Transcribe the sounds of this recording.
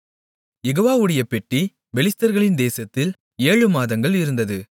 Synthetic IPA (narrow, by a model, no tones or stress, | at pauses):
jɛɣoːʋaːɯɽɐjɐpːɛʈri | ʋɛlɪst̪ɐɾɣɐɭɪnd̪eːsɐt̪ːɪl | eːɻɯmaːðɐŋɡɐɭɪɾɯnd̪ɐðɯ